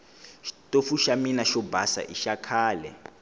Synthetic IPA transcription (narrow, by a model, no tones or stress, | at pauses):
ʃtʼofuʃaminaʃɔbasa̰ʔiʃakʰaːlɛ̰